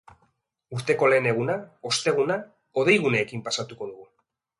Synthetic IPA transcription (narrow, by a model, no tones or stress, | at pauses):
uɾt̪e̞ko̞le̞ːne̞ɣ̞unao̞st̪e̞ɣ̞una | o̞ð̞e̞jɣ̞uneːkimpasat̪uko̞ðuɣu